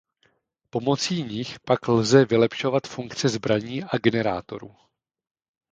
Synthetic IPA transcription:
po̞mo̞t͡siːɲɪxpaklzɛvɪlɛpʃo̞vat̪fuŋkt͡sɛzbɾaɲiːʔaɡɛnɛɾa̰ːt̪o̞̰ɾṵː

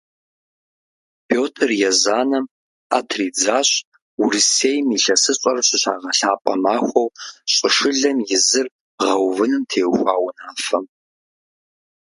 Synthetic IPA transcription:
pʰjoːtʰrjɛzaːnɐm | a̰tʰriːd͡zaːɕʼ | uriseːjmiɬɐsɨɕʼɐrɕɪɕa̰ːʁɐɬaːpʼɐ̰maːxʷɐwɕʼɪʂɨɮɐmjɪzɨr | ʁɐwvɨnɨmtʰeːwxʷaːwʊnaːfɐm

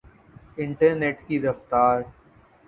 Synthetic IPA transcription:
ɪ̃ɳʈəɾneːʈkiɾɐft̪aːɾ

